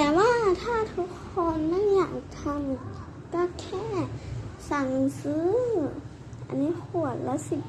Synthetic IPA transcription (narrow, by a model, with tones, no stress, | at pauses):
t̪ɛː˨˩waː˧˥˨t̪ʰaː˧˥˩t̪ʰu˧˥kʰːɔː˧nːa˧˥˨ŋɲaː˨˩˨k̚t̪ʰa˧˥m | ka˧˩kʰɛː˧˥˩saː˨˩ŋŋɯ˧ŋsɯː˧˦˥ | ʔa̰˧nːiː˧˥˨ku˧˩ət̪̚la˧˥si˧˩p̚